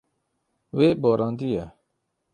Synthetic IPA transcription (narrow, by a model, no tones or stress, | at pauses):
weːboːɾʔɑ̃ːnd̪ija